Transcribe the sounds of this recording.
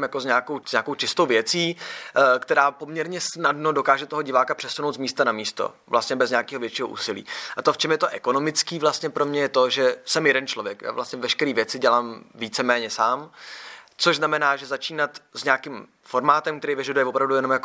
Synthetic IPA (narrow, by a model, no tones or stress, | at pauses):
mjakozɲaːko̞wzɲaːko̞wt͡ʃɪst̪o̞wvjɛt͡siːkt̪ɛɾaːpo̞mɲɛɾɲɛsnadno̞do̞kaːʒɛt̪oɦoɟɪvaːkapr̝̥ɛsuno̞wt̪zmiːst̪anamiːst̪o̰ | vlʔast̪ɲɛbɛzɲaːkiːɦovjɛt͡ʃiːɦoʔṵːsɪlḭːʔat̪o̞ft͡ʃɛmjɛt̪o̞ʔɛko̞no̞mɪt͡skiːvlast̪ɲɛpɾo̞mɲɛjɛt̪o̞ʒɛsɛmjɛdɛnt͡ʃlovjɛkjʔa̰ːvlʔast̪ɲɛvɛʃkɛɾiːvjɛt͡sɪɟɛlaːmviːt͡sɛmɛːɲɛsaːm | t͡soʒznamɛnaːʒɛzat͡ʃiːnat̪zɲaakɪm | fo̞ɾmaːt̪ɛmkt̪ɛɾiːvjɛʒɛdujɛvopɾavdujɛnomjak